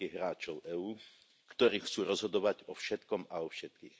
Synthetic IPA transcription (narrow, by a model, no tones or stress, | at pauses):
iɦɾaːt͡ʃɔʊʔɛuː | kt̪ɔɾiːxt͡suːɾɔzɦɔd̪ɔʋaɟɔfʃɛt̪kɔmaɔfʃɛt̪̚kḭːx